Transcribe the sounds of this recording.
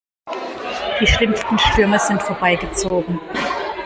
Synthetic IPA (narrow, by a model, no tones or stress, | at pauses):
d̥iːʃlɪmstn̩ʃtʏɐməzɪntfoːɐbaɪɡət͡soːɡŋ̩